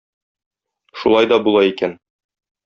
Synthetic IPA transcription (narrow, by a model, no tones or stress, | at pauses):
ʃulˠɑjd̪ɒbulˠɑikæn